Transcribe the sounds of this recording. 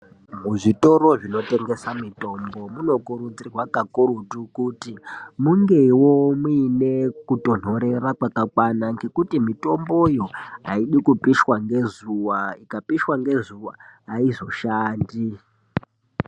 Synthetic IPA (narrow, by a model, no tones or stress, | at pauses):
muʐito̞ɾo̞ʐino̞te̞ŋɡe̞samito̞mbo̞muno̞kuɾud͡zirwakakurutukutimuŋɡe̞wo̞muːne̞kuto̞n̤o̞ɾe̞rakwakakwanaŋɡe̞kutimito̞mbo̞jo̞ɦa̰iɗikupiʃwaŋɡe̞zuwaikapiʃwaŋɡe̞zuwa̰ːizo̞ʃaːndi